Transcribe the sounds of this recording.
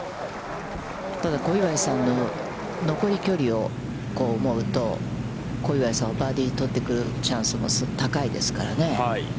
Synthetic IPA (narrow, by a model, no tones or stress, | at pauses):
t̪ad̪ako̞iβaisãnːo̞ | no̞ko̞ɾʲikʲo̞ɾʲio̞ | ko̞ːɯmo̞ɯ̟t̪o̞̰ | ko̞iβaisãɰ̃abaːd̪ʲit̪o̞t̪ːe̞kɯ̟ɾɯ̟t͡ɕãɰ̃sɨmo̰sɨt̪akaid̪e̞̰sɨ̥kaɾa̰ne̞i